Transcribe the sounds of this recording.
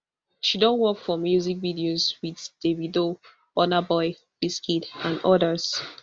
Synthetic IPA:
ʃidɔ̃nwɔkfɔmjuzikvidiozwiðd̥evido | ɔnabɔɪ | b̥iskitãnɔdəz̥

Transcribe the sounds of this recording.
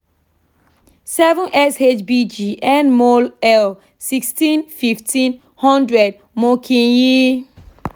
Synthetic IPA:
sɛvɔ̃nʔɛset͡ʃbid͡ʒiʔɛ̃nmolɛl | sikstĩnfiftʰĩn | hɔ̃ndɹɛd̚ | mɔkʰĩji

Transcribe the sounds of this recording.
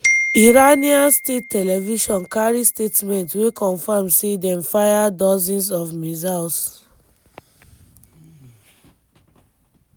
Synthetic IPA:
iɹaniãnstetʰːɛlɛviʃɔ̃nkaɹistetmɛ̃ntwekɔ̃nfamsedɛ̃mfajadɔzĩns̬ɔfmizas

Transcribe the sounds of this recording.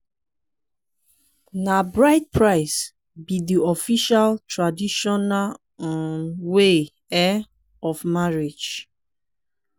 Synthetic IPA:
nabɹaɪt̚pʰɹaɪs | bidiɔfiʃaltʰɹadiʃɔnal | ɔ̃nwe | ɛ | ɔfmaɹid͡ʒ

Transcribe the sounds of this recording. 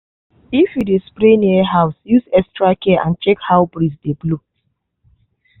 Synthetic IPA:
ifjudespɾeniaɦaʊsjuzɛstɾakɛʔãnt͡ʃɛkhaʊbɾisdeblu

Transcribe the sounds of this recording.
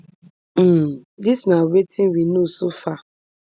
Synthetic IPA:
disnawetiwinusufa

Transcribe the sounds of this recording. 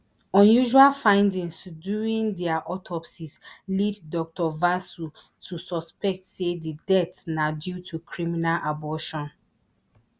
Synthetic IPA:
ɔ̃njuʒualfãɪ̃ndĩŋsdjuɹĩndɛaʔɔtʰɔpsisliddɔk̚tɔvasu | tʰusɔspɛk̚tsedidɛtnadjutʰukʰɹiminalʔabɔʃɔ̃n

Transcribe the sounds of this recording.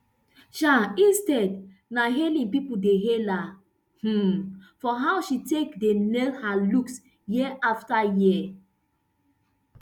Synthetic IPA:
ʃaĩnstɛd | naɦelĩŋpipudeɦela | h̩fɔɦawʃitekdenɛlhaluks | jiʔaftaji

